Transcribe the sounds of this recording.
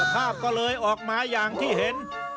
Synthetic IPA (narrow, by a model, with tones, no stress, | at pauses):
pʰaː˥˩p̚kɔː˥˩lɤː˧jʔɔː˨˩k̚maː˧jaː˨˩ŋt̪ʰiː˥˩ɦe˨˦n